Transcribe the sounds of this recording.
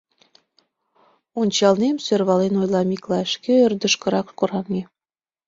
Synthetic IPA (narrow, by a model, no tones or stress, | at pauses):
unʲt͡ɕɑlnemsørβɑlenojlɑmiklɑʃkeørd̪ə̆ʃkɤ̆ɾɑkkoɾɑŋe